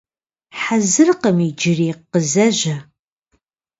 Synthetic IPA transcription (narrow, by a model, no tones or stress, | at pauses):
ħazɨrqəmiːd͡ʒɪreːqːəzɐʒɐ